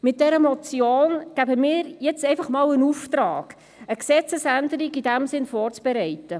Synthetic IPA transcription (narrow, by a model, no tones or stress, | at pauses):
mɪt̚d̥ɛɾəmɔt͡sjoːnɡ̥æbəmiːɾjɛt͡sɛɪfɑχmɑːlənuft̪ɾɑ̰ːɡ̥ | əksɛt͡səsændəɾiɡidæmsɪnfɔːrt͡sb̥ɛɾɛɪtə